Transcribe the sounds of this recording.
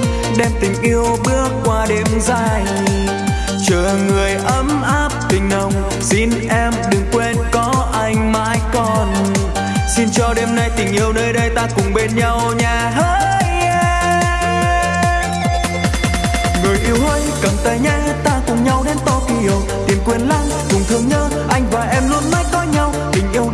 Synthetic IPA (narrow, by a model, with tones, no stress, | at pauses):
ɗɛ˧mt̪ï˨˩ŋ̟ʔi˧əwɓɨ˦˥ək̚ːwaː˧ɗe˧mzaː˧˩j | t͡ɕəː˧˨ŋɨ˨˩əjʔə˨˦mʔaː˦˥p̚t̪ï˨˩ŋ̟lə˨˩wŋ͡m | si˧nʔɛ˧mɗɨ˨˩ŋkwe˧nkɔ˨˦ʔa˧jŋ̟maː˨˦jkɔ˨˩n | si˧nt͡ɕɔ˧ɗe˧mna˧jt̪ï˨˩ŋ̟ʔi˧əwnəː˧jɗə˧jt̪aː˧kʊ˨˩ŋ͡mɓe˧nɲa˧wɲaː˨˩ɦəː˧˦ | j | a˧ | ŋɨ˨˩əjʔi˧əwhəː˧jkə˨˩mt̪ə˧˨˩ɲɛ˧˥ | t̪aː˧kʊ˨˩ŋ͡mɲa˧wɗe˨˦nt̪ɔ˧˩ki˧˦˨w | t̪i˨˩mkwi˧˩ənla˧˥ŋkʊ˨˩ŋ͡mt̪ʰɨ˧˩əŋɲəː˧ | ʔa˧jŋ̟vaː˨˩ʔɛ˧mlu˧ənma˨˦˥jk̪ɔ˧jɲa˧wt̪ï˨˩ŋ̟ʔi˧əw